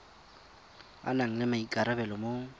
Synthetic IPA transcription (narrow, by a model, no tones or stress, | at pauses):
a̰naŋ̩lɪmaikʼaɾabɛlɔmo